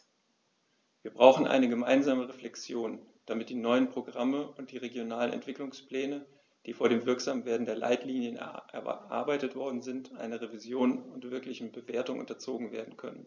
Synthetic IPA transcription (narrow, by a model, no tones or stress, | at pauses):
viːɐbʁaʊxn̩ʔa̰ɪnəɡəma̰ɪnzaːməʁeflɛkt͡sjoːn | d̥amɪt̚d̥iːnɔʏənpʁ̥oɡʁaməʊnt̚d̥iːʁeɡjonaːlənɛ̰ntv̥ɪklʊŋsplɛːnə | d̥iːfoːɐɾeːmvɪɐkz̥aːmveːɐdn̩deːɐla̰ɪtliːnjənʔɛ̰ɐʔa̰ɐbaɪtətv̥ɔɐdn̩zɪntʰʔa̰ɪnɐʁevizjoːnʊntv̥ɪɐklɪçn̩bəveːɐtʊŋʔʊ̰ntɐt͡soːɡŋ̩vḛːɐdn̩kʰœ̰nən